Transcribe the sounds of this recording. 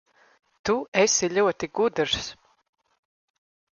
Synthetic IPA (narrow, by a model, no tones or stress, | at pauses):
t̪uesiʎʲuɔt̪iɡud̪ɨɾs